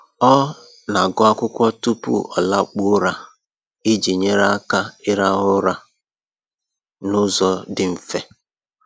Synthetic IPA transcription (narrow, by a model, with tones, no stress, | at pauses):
ɔ˦ | na˨ɡʊ˦a˦kʷʊ˦kʷɔ˦tu˦pṵ˦ɔ̰˨la˦k͡pʊ˦ɾa˨ | i˦d͡ʒi˨ɲe˦ɾa˦a˦ka˦ɪ˦ɾa˦ɦʊ˦ɾa˨ | nʊ˦zɔ˨dɪ˨m̩˨fe˦